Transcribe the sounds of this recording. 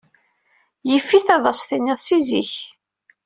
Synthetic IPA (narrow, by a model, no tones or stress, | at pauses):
jəfːiθɑðˤəsˤθiniðˤsiziç